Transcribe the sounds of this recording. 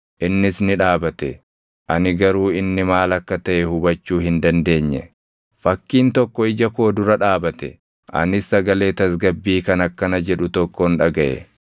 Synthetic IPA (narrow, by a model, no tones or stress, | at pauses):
ʔɪnːɪsnɪᶑaːbɐt̪ɛ | ʔɐnɪɡɐɾuːɪnːɪmaːlɐkːɐt̪ɐʔɛhʊbɐt͡ʃːuːhɪnd̪ɐnd̪e̞ːɲːɛ | fɐkːiːnt̪ɔkːɔɪd͡ʒɐko̞ːd̪ʊɾɐᶑaːbɐt̪ɛ̰ | ʔɐ̰nɪsːɐɡɐle̞ːt̪ɐs̬ɡɐbːiːkɐnɐkːɐnɐd͡ʒɛᶑʊt̪ɔkːɔnᶑɐɡɐʔɛ̰